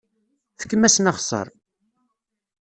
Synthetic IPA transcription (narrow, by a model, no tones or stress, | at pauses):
θə̥kːəmːæsnɑχsˤə̰ɾˤ